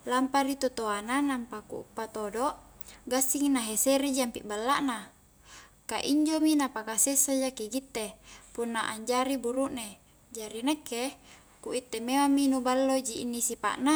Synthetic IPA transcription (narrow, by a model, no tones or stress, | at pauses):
lampaɾit̪ot̪oananampakṵṵpːat̪odoʔɡasiŋnaɦeseɾid͡ʒiampiʔbalːaʔna | kaʔiɲd͡ʒominapakasesad͡ʒakiɡit̪ːepunːaʔaɲd͡ʒaɾibuɾuʔne | d͡ʒaɾinekːe | kuʔit̪ːemewamːinubalːod͡ʒiʔːnːisipa̰ʔna